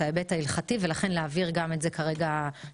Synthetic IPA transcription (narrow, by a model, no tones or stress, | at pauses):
aebethailχative̞laχe̞nleaviʁɡame̞tzekaʁe̞ɡa